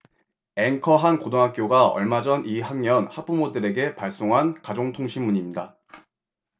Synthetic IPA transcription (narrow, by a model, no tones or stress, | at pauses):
e̞ŋkʰʌɦankodoŋɦak͈joɡaʌ̰ɭmad͡ʑʌniɦaŋɲʌnhap͈umodɯɾe̞ɡe̞paɭs͈oŋɦankad͡ʑoŋtʰoŋɕʰimːuɲimɲida